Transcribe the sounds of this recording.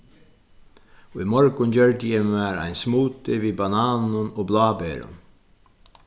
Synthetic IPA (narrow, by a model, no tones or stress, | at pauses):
oːiːmɔɹkʊnɟœɹt̪ɪjɛmæːɾæ̰ɪnsmuːt̪ɪʋiːbɑnɑːnʊnoːblɑːbeːɾʊ̰n